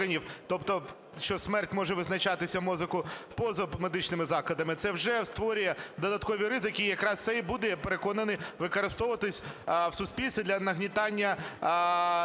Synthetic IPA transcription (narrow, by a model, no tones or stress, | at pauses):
ɐnʲiwt̪ɔpt̪ɔ | ʃt͡ʃɔsmɛrtʲmɔʒɛʋɪznɐt͡ʃɑt̪ɪsʲɐmɔzɪkʊpɔzɐmed̪ɪt͡ʃnɪmɪzɑklˠɐd̪ɐmɪt̪sɛwʒɛwst̪ʋɔɾʲijɛd̪ɔd̪ɐt̪kɔʋʲiɾɪzɪkʲijjɐkɾɑst̪sɛbud̪ɛpeɾekɔnɐnɪʋɪkɐɾɪst̪ɔʋʋɐt̪ɪsʲwsʊsʲpʲilʲsʲɐd̪lʲɐnɐɦnʲit̪ɑnʲːɐ